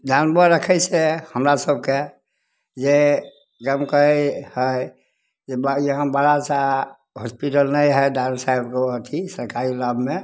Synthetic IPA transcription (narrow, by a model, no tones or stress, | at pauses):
d͡ʒanbəɾəkʰəɪsehəmɾasəb̚ke | d͡ʒe | ɡəmkəhəj | d͡ʒejəɦə̃baɽat͡ʃa | hɔspiʈəlnəjɦɛjdansaibkeɦət̪ʰisəɾkaɾilabʱme